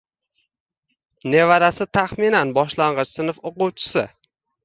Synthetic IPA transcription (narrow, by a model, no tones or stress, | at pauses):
ne̞vaɾasɪt̪ʰaχminanbɒʃlaɴʁɨt͡ʃsɪnɨfoqʊwt͡ʃʰɪ̥sɪ